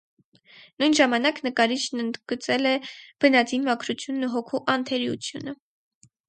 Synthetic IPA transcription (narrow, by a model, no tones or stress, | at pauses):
nujnʒɑmɑnɑknəkɑɾit͡ʃʰnənd̪ɡ̥ət͡sɛlɛb̥ənɑt͡sinmɑkʰɾut͡sʰjunːuɦɔkʰuʔɑnt̪ʰɛɾiṵt͡sʰjunə